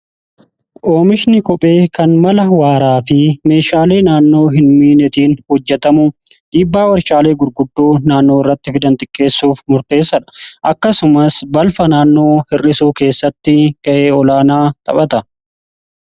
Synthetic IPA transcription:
ʔo̞ːmɪʃnɪkɔpʼe̞ːkɐnmɐlɐwaːɾaːfɪme̞ːʃaːle̞ːnaːnːo̞ːɦɪnmiːnɛt̪iːnhɔd͡ʒːɛt̪ɐmʊ | ᶑiːbːaːwɐɾʃaːle̞ːɡʊɾɡʊd̪ːuːnaːnːo̞ːɪrːɐt̪ːɪfɪd̪ɐnt̪ʼɪkʼːe̞ːsːuːfmʊɾt̪e̞ːsːɐᶑɐ̥ʔɐkːɐsʊmɐsbɐlfɐnaːnːo̞ːhɪrːɪsuːke̞ːsːɐt̪ːɪkɐʔeːɔlaːnaːt̪ʼɐ̰pɐt̪ɐ

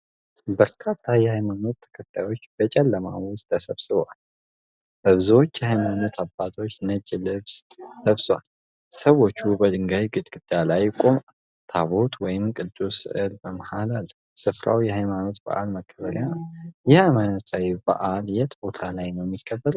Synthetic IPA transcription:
bəɾkʰat̪ʰːajɛhajmano̞t̪ʰːɨ̥kʰət̪ʰːajo̞t͡ʃːbət͡ʃʼɛlːəma̰wʊst̪ʰʼːəsəβsɨβwal | bəβɨzwot͡ʃːjɛhajmano̞t̪ʰabːat̪ʰo̞t͡ʃːnət͡ʃʼːilɨβst̪ʰəβswa̰l | səwo̞t͡ʃːubəd̪ɨŋɡajɡɨt̪ʼɡʼɨd̪alajkʼom | t̪ʰaβo̞t̪ʰwɔjɪmkʼɨd̪ːusɨ̰ʔɨlbəməhalalː | sɨfɾa̰wjɛhajmano̞t̪bə̰ʔa̰lməkʰːəβəljanjɛhajmanot̪ʰajbə̰ʔaljɛt̪ʼbo̞t̪ʰalajnəwjɛmːjikʰːəbːəɾ

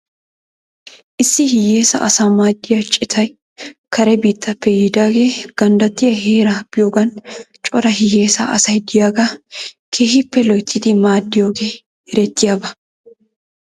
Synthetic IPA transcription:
ʔɪsːɪhɪje̞ːsɐ̰ʔɐsaːmaːd̪ːɪjɐt͡ʃʼɪt̪ʰɐj | kʰɐɾɛbiːt̪ʰːɐpːɛjɪd̪aːɡeːɡ̥ɐnd̪ɐt̪ːɪjɐheːɾab̥ɪjoːɡɐn | t͡ʃʼɔɾɐɦɪje̞ːsɐʔɐsɐjd̪ɪjaːɡɐkʰeːhɪpːɛlɔjt̪ːɪd̪ɪmaːd̪ːɪjoːɡe̞ː | hɪɾɛt̪ːɪjaːbɐ

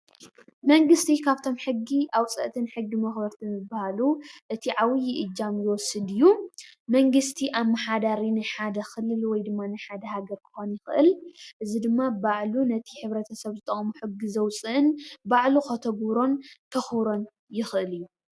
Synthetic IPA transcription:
mɐŋɡɨst̪ʰikʰaβt̪ʰo̞mħɨɡːiʔawt͡sʼɐ̰ʔt̪ʰɨnħɨɡːimɐxbɐɾt̪ʰimɨbːahaluʔɨt̪ʰiʕawɨjɪʔɨd͡ʒːamjɪwɔsːɨd̪ɨjːumɐŋɡɨst̪ʰiʔamːaħad̪aɾinɨħad̪ɐxɨlːɨlwɔjd̪ɨmːanɨħad̪ɐhaɡɐɾkʰɨ̥xo̞njɪxɨʔɨ̰lʔɨzid̪ɨmːabaʕlunɐt̪ʰi̥ħɨβɾɐt̪ʰɐsɐβzɨt̪ʼɐχʼmuħɨɡːizɐwt͡sʼɨʔɨnbaʕluxɐt̪ʰɐɡɾo̞nkʰɐxɨβɾo̞n | jɪxʔɨlɨjːu

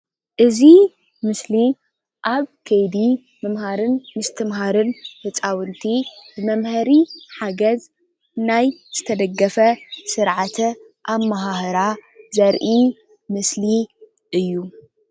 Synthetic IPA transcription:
ʔɨzi | mɨsli | ʔaβkʰɐjd̪i | mɐmhaɾɨnmɨst̪ʰɨmɦaɾɨnbɨt͡sʼawɨnt̪ʰibɨmɐmhɐɾiħaɡɐz | najz̥ɨt̪ʰɐd̪ɐɡːɐfɐsɨɾʕat̪ʰ | ʔamːaɦahɾazɐɾʔi | mɨsli | ʔɨjːu

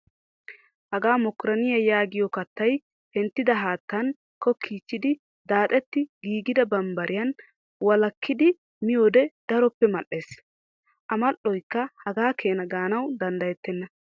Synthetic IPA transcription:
hɐɡaːmɔkːʊɾɐnɪjɐjaːɡɪjɔkɐt̪ːɐj | hɛnt̪ːɪd̪ɐɦaːt̪ːɐn | kɔkʰːiːt͡ʃːɪd̪ɪ | d̪aːt̪ʼɛt̪ːɪɡiːɡɪd̪ɐbɐmbɐɾʔɪjɐn | wɐlɐkʰːɪd̪ɪ | mɪjoːd̪ɛd̪̥ɐɾɔpːɛmɐʔːe̞ːs | ʔɐmɐʔɔjkːɐhɐɡaːkʰe̞ːnɐɡaːnɐwd̪ɐnd̪ɐjɛt̪ːɛnːɐ

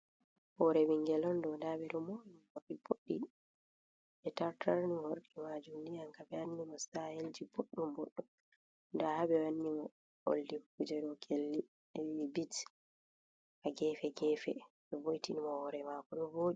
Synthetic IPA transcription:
hɔɾɛbiŋɡɛlɔndɔndabɛɗɔmoukoɾkiboɗːi | ɓɛtaɾtʰaɾnihoɾkimad͡ʒumdijaŋkabɛanːimɔstaheld͡ʒiboɗːumboɗːum | ndahabɛwanːimɔ | o̰ldikud͡ʒɛɾɔɡʰelːi | bit | aɡɛːfɛɡɛːfɛ | ɓɛbojtinimɔhɔɾɛmakɔɗɔboɗi

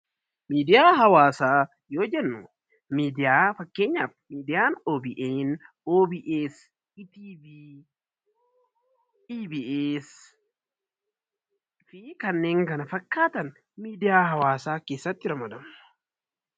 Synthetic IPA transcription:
miːd̪ɪjaːɦɐwaːsaː | joːd͡ʒɛnːʊ | miːd̪ɪjaːfɐkːe̞ːɲːaːfmiːd̪ɪjaːnoːbiʔeːn | oːbiʔeːs | t̪ibi | iːbiʔeːs | fɪkɐnːe̞ːŋkɐnɐfɐkːaːt̪ɐn | miːd̪ɪjaːhɐwaːsaːkeːsːɐt̪ːɪɾɐmɐd̪ɐm

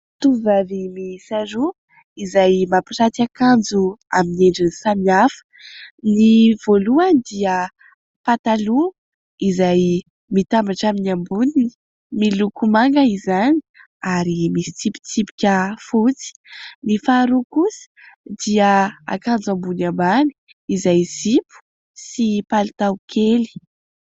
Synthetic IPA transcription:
t̪uvavimisaɾu | izajmapiʈ͡ʂat̪akand͡zua̰mineɳɖ͡ʐinisamiafə̥niv̥oluanid̪iə | pat̪alu | izaj | mit̪ambaʈ͡ʂaminambunii̥ | milukumaŋɡəizani | aɾimisi̥t͡sipi̥t͡sipi̥kʲəfut͡si̥nifaɾukusi̥ | d̪iəa̰kand͡zambunambani̥ | izajz̥ipu̥ | sipalut̪awkʰeli̥

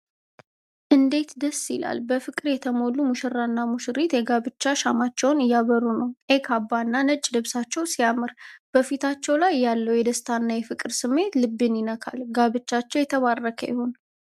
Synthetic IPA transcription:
ʔɨnd̪e̞t̪d̪əsːɪla̰lbəfɨkʼɨɾjɛt̪ʰəmolːumuʃɨrːanːamuʃɨɾit̪jɛɡaβɨt͡ʃːaʃamat͡ʃːɛwnɨjːaβəɾunəwʔekʰabːanːanət͡ʃʼːlɨβsat͡ʃːɛwsijamɨɾb̥əfit̪ʰat͡ʃːɛwlajːalːəwjɛd̪əst̪ʰanːajɛfɨkʼɨɾsɨmːe̞t̪lɨbːɨnjɪnəkʰa̰lɡaβɨt͡ʃːat͡ʃːɛwjɛt̪ʰəβarːəkʰə̰jɛ̰ho̞n

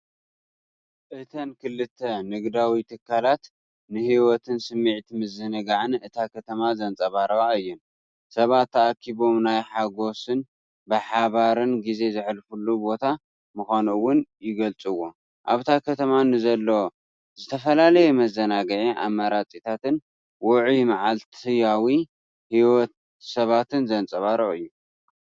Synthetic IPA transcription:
ʔɨt̪ʰɐnkʰɨlːɨt̪ʰːɐnɨɡd̪awit̪ʰɨkʰːalat̪ | nɨhiwɔt̪ʰɨnsɨmːɨʕt̪ʰimɨzɨnɐɡaʕɨnɨt̪ʰakʰɐt̪ʰɐmazɐnt͡sʼɐβaɾɐaɨjːɛn | sɐβat̪ːɐʔakʰːiβo̞mnajħaɡo̞sɨn | bɨħaβaɾɨnɡize̞zɨħlfulːubo̞t̪ʰa | mɨxʷanuwːʊnjɪɡɐlt͡sʼɨwo | ʔaβt̪ʰakʰɐt̪ʰɐmanɨzɐlːo | zɨt̪ʰɐfɐlalɐjemɐzɐnaɡɐʕiʔa̰mːaɾat͡sʼit̪ʰat̪ɨn | wɔʕimaʕalt̪ʰɨjawi | hiwɔt̪̚ | sɐβat̪ʰɨnzɐnt͡sʼɐβaɾoɨjːu

